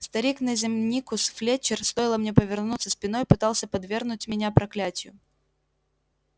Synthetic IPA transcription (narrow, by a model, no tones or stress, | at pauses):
st̪ɐɾʲiknəzʲɪmnʲikʊsflʲet͡ɕːɪrst̪ojɪlˠəmnʲepəvʲɪrnut̪səsʲpʲɪnojpɨt̪ɑlˠsʲəpɐd̪vʲe̞rnʊtʲmʲɪnʲapɾɐklʲætʲɪjʊ